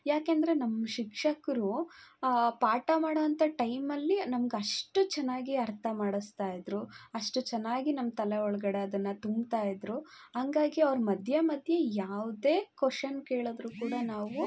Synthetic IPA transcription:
jaːkeɐnd̪ɐɾe̞nɐmːɐʃikʂɐkɐɾu | paːʈɐmaːɽoʋɐnt̪ʰɐʈɐjmɐlːinɐmɐɡeɐʂʈut͡ʃɛnːaːɡiɐɾt̪ʰɐmaːɽust̪aːjid̪ɾuɐʂʈut͡ʃɛnːaːɡinɐmːɐt̪ɐleɔɭɐɡɐɽeɐd̪ɐnːɐt̪umbt̪aːjid̪ɾuɦɐŋɡaːɡiɐʋɾɐmɐd̪ʱjɐmɐd̪ʱjɐjaːʋd̪eːkoʂɐnkeːɭoːd̪ɾuːkuːɽɐnaːʋu

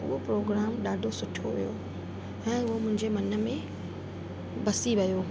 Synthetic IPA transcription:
ʊ̰ɦopɾoːɡɾaːmɗaːɖʱosʊʈʰoʋijo | ɛ̃ːʊɦomʊ̃ɦɪ̃ɲd͡ʑemɐnə̆mẽ | bɐsiʋɐjoː

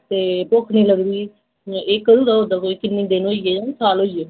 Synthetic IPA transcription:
t̪eːpokʰnĩːləɡd̪iː | ʔeːkːəɾuːd̪aːɦoːd̪aːkoːikɪnːiːd̪eːnoied͡ʒãːsaːlɦoːieː

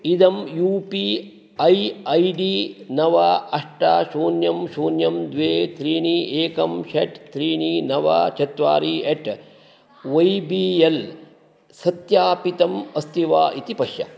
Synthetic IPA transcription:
id̪ɐmjuːpi | ɐjɐjɖiːnɐʋaɐʂʈaːʃuːnjɐmʃuːnjɐmd̪ʋeːt̪ɾiːɳiːeːkɐmʃɐʈt̪ɾiːɳiːnɐʋɐ̰t͡ʃʰɐt̪ʋaːɾieʈ | ʋɐjbiːel | sɐt̪jaːpit̪ɐmɐst̪iʋaːʔit̪ipɐʂjɐ̰

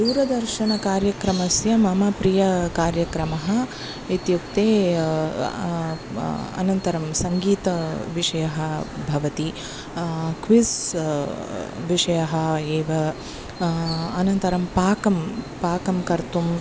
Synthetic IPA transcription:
d̪uːɾɐd̪ɐɾʃɐnɐkaːɾjɐkɾɐmɐsjɐmɐmɐpɾijɐkaːɾjɐkɾɐmɐɦɐ | it̪jukt̪eː | ɐ̰nɐnt̪ɐɾɐmsɐŋɡiːt̪ɐʋiʂɐjɐɦɐbʱɐʋɐt̪i | kʋis | ʋiʂɐjɐɦɐ̆eːʋɐ | ɐnɐnt̪ɐɾɐmpaːkɐmpaːkɐmkɐɾt̪um

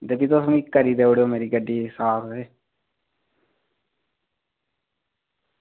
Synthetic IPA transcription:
d̪eːbiːt̪ʊsõikəɾiːd̪eːoːɽioːmeːɾiːɡəɖːiːsaːɾeː

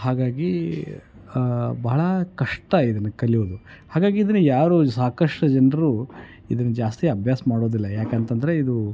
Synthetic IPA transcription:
ɦaːɡaːɡi | bɐːɭɐkɐʂʈɐid̪ɐnːɐkɐɭijod̪uhaːɡaːɡiːd̪ɐnːujaːɾusaːkɐʂʈɐd͡ʒɐnɐɐɾu | id̪ɐnːud͡ʒaːst̪iɐbʱjaːsɐmaːɽo̞ːd̪ilːɐjaːkent̪ɐnd̪ɐɾe̞id̪u

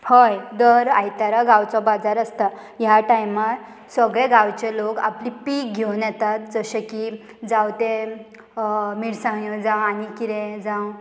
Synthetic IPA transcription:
həjd̪əɾajt̪aɾaɡawt͡sɔbad͡zaɾəst̪ajaʈajmat̪ | səɡɭeɡawt͡ɕelokaplipiːkɡʱewnjɛt̪at̪̚d͡zəɕeki | d͡zawt̪e | miɽsãŋəd͡zãwanikiɾẽd͡zãw

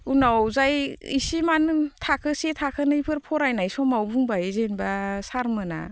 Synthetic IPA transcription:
unawzajisimanɯtʰakʰɯsetʰakʰɯnɯipʰɯɾpʰɔɾajnajsɔmawbuŋbajezenbasaɾmɯna̰

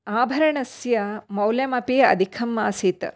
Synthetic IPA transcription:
aːbʱɐɾɐɳɐsjɐmɐwljɐmɐpiɐ̰d̪ʱikʰɐmːaːsit̪ɐ̰

